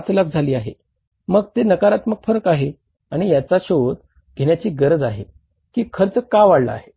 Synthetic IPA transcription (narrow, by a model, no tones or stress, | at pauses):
t͡slak̚d͡zʱaliːaɦḛ | məɡt̪enəkaɾat̪məɡfəɾəkaɦe | aɽ̃ijat͡saɕod̪ | ɡʱeɳjat͡ɕiːɡəɾəd͡zaɦe | kiːkʰəɾət͡səkaʋaɽlə̰a̰ɦe